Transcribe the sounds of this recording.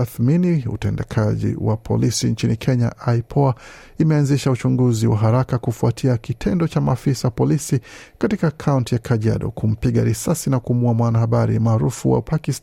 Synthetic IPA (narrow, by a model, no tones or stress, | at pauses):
aθminiṵtɛndɛkʰaʄḭwa̰pʰɔ̰lisint͡ʃinikʰɛɲaʔaipʰɔa | imɛanziʃaut͡ʃuŋɡuziwa̰ɦaɾakakufuatʰiakitʰɛndɔt͡ʃamaːfisaapɔlisikatikaːkʰauntijakʰaʄa̰ɗɔ̰kum̩piɠaɾisasinakumuamwanahaɓaɾḭmaːɾufṵwa̰pakis